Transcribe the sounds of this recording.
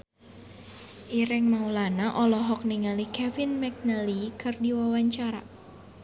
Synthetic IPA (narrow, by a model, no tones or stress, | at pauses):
ʔiɾɛŋmaulanaʔɔlɔɦɔk̚niŋalikɛvɪnmɛk̚nəlikɨrdiwawaɲt͡ʃaɾa̰